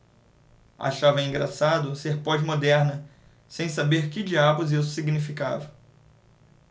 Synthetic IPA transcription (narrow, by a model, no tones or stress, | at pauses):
a̰ʃavɐĩŋɡɾasad̪ʊseɾpɔd͡ʒmod̪ɛɾnɐ | sẽj̃sabeɾkɪd͡ʒiabʊzisʊ̥siɡnifika̰vɐ